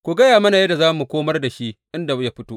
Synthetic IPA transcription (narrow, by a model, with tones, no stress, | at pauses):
kʷu˨ɡɐ˦jaː˨mɐ˦na˨jɐ˦da˨zaː˦mu˨kʷoː˦mɐ˦rda˨ʃi˦ʔʔɪ˦nda˨bja˦ɸɪ˦toː˦ʔ